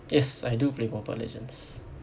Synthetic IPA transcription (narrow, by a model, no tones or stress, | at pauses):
jɛsajduplemɔpɔ̰lɛ̰d͡ʒə̰̃ns